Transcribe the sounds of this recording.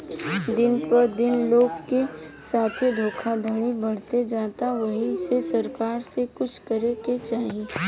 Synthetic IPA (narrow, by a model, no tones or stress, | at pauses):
d̪ɪnpɐɾd̪ɪnloːɡke | saːt̪ʰed̪ʱoːkʰad̪ʱɐɽ̃ibɐɽ̤t̪ed͡ʒaːt̪aʋɐɦisesɐɾkaːɾsekʊt͡ʃʰkɐɾeket͡ʃaːɦieː